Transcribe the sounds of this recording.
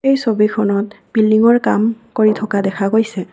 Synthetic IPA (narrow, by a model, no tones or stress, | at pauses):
ejsobikʰɔnɔt̚ | b̥ildiŋɔɹkamkoɹitʰɔkadɛkʰaɡojsɛ